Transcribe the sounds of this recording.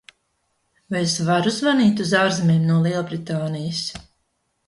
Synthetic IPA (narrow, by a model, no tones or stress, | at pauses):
vajsvaɾuzvaniːt̪uzaːɾzmeːmnuɔlˠiɛlˠbɾit̪aːnijəs